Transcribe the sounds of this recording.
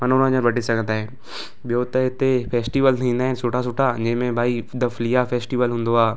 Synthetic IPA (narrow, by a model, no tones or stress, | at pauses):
mɐnʊnãɲəɾbɐʈisɐɡʰʱə̃nd̪aːɦɛː | ɓɪjot̪ɐɪt̪efʰeːsʈiʋəlt̪ʰĩːnd̪aːɦɛnsoːʈas̬ʊʈʰad͡ʒẽɦmẽbʱaːid̪ɐflijafeːsʈiʋəlɦʊ̃ːn̆d̪oaː